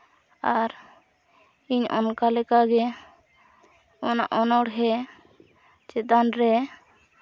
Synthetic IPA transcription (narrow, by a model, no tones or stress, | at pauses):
aɾ | iɲɔ̰nkalɛkaɡɛ | ɔnaʔɔnɔɽɦɛ | t͡ʃɛt̪anɾɛ